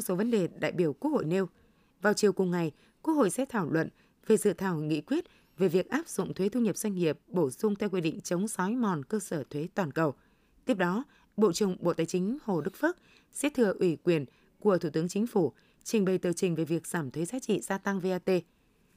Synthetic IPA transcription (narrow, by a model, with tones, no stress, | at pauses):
so˨˦və˨˦nɗe˨˩ɗa̰ː˧˨jɓi˧˩əwku˦˥ək̚ho̰˧˨jne˧w | vaː˨˩wt͡ɕi˨˩əwkʊ˨˩ŋ͡mŋa˨˩j | kwu˦˥ək̚ho̰˧˨jsɛ̰˧˥t̪ʰaː˧˩wlwə̰˧˨n | ve˨˩zɨ̰˧˨t̪ʰaː˧˩wŋḭ˧˥kwi˦˥ət̚ | ve˨˩vi˨˩ək̚ʔaː˦˥p̚z̥ʊ̰˧˨ŋ͡mt̪ʰwe˨˦t̪ʰu˧ɲi˨˩p̚zwa˧ŋ̟ŋi˨˩əp̚ɓo˧˩zʊ˧ŋ͡mt̪ʰɛ˧wkwi˧ɗḭ˧˨ŋ̟t͡ɕə˨˦wŋ͡msɔ˨˦jmɔ˨˩nkəː˧səː˧˩t̪ʰwe˨˦t̪waː˨˩nkə˨˩w | t̪i˦˥əp̚ɗɔ˨˦ | ɓo̰˧˨t͡ɕɨ˨˧˩əŋ͡mɓo̰˧˨t̪aː˨˩jt͡ɕï˨˦ŋ̟ho˨˩ɗɨ˦˥k̚fə˦˥k̚ | sɛ̰˧˥t̪ʰɨ˧˩əʔwi˧˩kwi˨˩ən | ku˧˩ət̪ʰu˧˩t̪ɨ˨˦əŋt͡ɕï˨˦ŋ̟fu˧˩ | t͡ɕï˨˩ŋ̟ɓə˨˩jt̪əː˨˩t͡ɕï˨˩ŋ̟ve˨˩vi˨˩ək̚z̥aː˧˩mt̪ʰwe˨˦zaː˨˦t͡ɕḭ˧˨zaː˧t̪a˧ŋve˧ʔaː˧t̪e˧